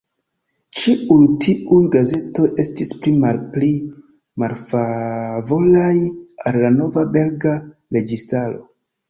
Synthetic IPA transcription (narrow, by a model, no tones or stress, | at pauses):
t͡ʃiujtʰiujɡaze̞to̞ʔe̞stisplimalpli | malfavo̞lajalːano̞vabe̞lɡaɾe̞ɡistalo̞̰